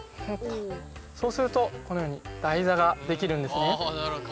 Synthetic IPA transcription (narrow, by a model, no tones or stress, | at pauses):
hokaso̞ːsɨɾɯ̟t̪o̞konojo̞ːɲ̟id̪̥aizaɡad̪e̞kʲiɾɯ̟̃nd̪e̞sɨne̞